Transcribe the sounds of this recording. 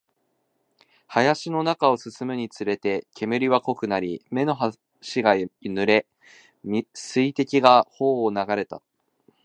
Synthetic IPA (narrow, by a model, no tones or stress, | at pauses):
hajaɕino̞nakao̞sɨsɨmɯ̟ɲ̟it͡sɨɾe̞t̪e̞kʲʰe̞mɯ̟ɾʲiβako̞kɯ̟naɾʲime̞no̞ɦa | ɕiɡanɯ̟ɾe̞ | mʲsɨit̪e̞kʲiɡaho̞ːnaɡaɾe̞t̪a̰